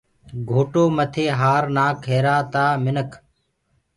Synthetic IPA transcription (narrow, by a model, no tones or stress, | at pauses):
ɡʱoːʈoːmət̪ʰeːɦaːɾnaːkʰeːɾaːt̪aːmɪnəkʰ